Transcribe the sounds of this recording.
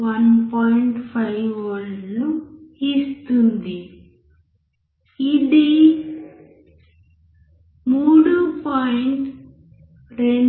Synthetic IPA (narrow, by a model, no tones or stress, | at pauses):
ʋɐnpɔːjiɳʈpʰɐjʋolnuist̪und̪i | idi | muːɽupaːjiɳʈ | ɾeɳ